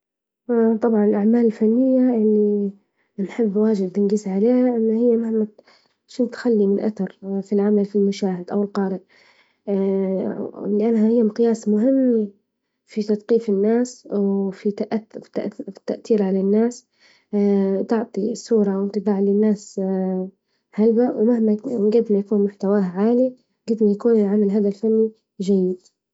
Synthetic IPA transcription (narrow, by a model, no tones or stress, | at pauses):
t̪ˤɑbʕɑnɪlʔaʕmaːlɪlfanːɪjːaʔɪlːi | nħɪbːwaːd͡ʒɪb̚t̪ɪnɡɪzʕaleːhaʔɪnːahɪjːamahma | ʃɪnt̪xalːimɪnʔa̰θɑɾˤfilʕamalfilmaʃaːhɪd̪ʔawɪlqɑːɾɪʔ | lɪʔanːhahɪjːamqɪjaːsmʊɦɪmː | fit̪ɑt̪qiːfɪnːaːswfit̪aʔḁt̪a̰ʔt̪ːaʔt̪iːɾʕalanːaːs | t̪ɪʕt̪ˤisːuːɾˤɑwɪnt̪ˤɨbaːʕlɪnːaːs | halbawmahmaɡɪd̪majakuːnmʊħt̪awaːʕaːli | ɡɪd̪majakuːnɪlʕamalɦaːd̪alfanːi | ʒajːɪd̪